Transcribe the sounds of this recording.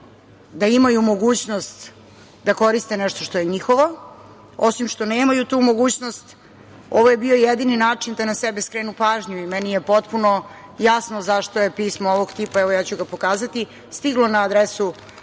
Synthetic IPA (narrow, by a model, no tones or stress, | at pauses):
d̪aimajumo̞ɡuːt͡ɕno̞st̪ | d̪ako̞ɾist̪e̞nɛʃt̪oʂt̪o̞jeɲixo̞ʋo̞ | osimʃt̪o̞neːmajut̪uːmo̞ɡuːt͡ɕnost̪ | o̞ʋoje̞bio̞jed̪ininaːt͡ʂind̪anasɛbeskɾeːnupaːʒɲuimɛnije̞po̞t̪puno̞ | jasnozaʂt̪o̞jepismooʋoɡt̪ipaɛʋo̞jaːt͡ɕuɡapo̞kaːzat̪i | st̪iɡlonaːd̪ɾesu